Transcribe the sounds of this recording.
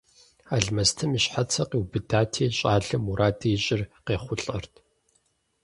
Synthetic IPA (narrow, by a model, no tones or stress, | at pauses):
aɮmɐstʰɨmiɕħat͡sʰɐqeːwbɨdaːtʰiːɕʼaːɮɨmuɾaːdʰiɕʼɪrqeːχʷʊɬʼɐrtʰ